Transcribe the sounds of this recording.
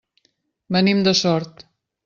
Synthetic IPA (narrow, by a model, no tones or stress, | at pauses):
bənimd̪əsɔɾt̪